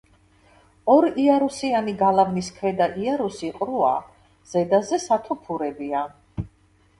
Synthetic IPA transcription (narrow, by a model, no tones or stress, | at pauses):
ɔɾiaɾusianiɡalavniskʰvɛd̪aʔiaɾusiqʼɾua̰ | z̥ɛd̪azɛsat̪ʰɔpʰuɾɛbia